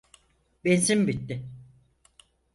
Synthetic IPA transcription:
benzimbit̪ːɪ

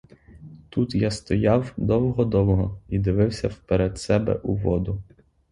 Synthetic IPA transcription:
t̪ut̪jast̪ɔjɑwd̪ɔwɔɦɔd̪ɔwɔɦɔid̪ɪʋɪwsʲɐwpeɾɛd̪sɛbɛ̰ʔuʋɔd̪ʊ

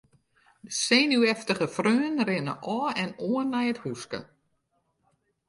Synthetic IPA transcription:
əseːnyɛftəχəfrøːənrɪnə̰ʔɔːɛnoənːɛjəthuskə̰

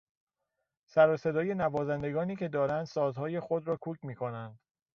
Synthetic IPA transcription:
sæɾɒːse̞d̪ɒːje̞nævɒːzænd̪e̞ɡɒːniːcʰe̞d̪ɒːɾænd̪sɒːzhɒːje̞xo̞d̪ɾɒːkʰuːcʰmiːkʰo̞nænd̪̥

